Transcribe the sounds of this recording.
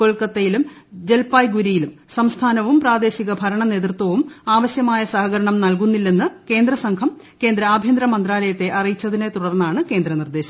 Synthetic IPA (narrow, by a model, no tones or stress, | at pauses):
koɭkɐt̪ːejilum | d͡ʑe̞lpaːjɡuɾijilumsɐmst̪ʰaːnɐʋumpraːd̪e̞ːɕiɣɐbʱɐɾɐɳɐne̞ːt̪rt̪wɐʋumaːʋɐɕjɐmaːjɐsɐɦɐɣɐɾɐɳɐmnɐlkunːilːe̞nːɨke̞ːnd̪ɾɐsɐŋkʰɐm | ke̞ːnd̪ɾɐaːbʱjend̪ɾɐmɐnd̪ɾaːlɐjɐt̪ːe̞ʔɐrijit͡ɕːɐðinet̪uɽɐrnːaːɳɨke̞ːnd̪ɾɐnird̪e̞ːɕɐm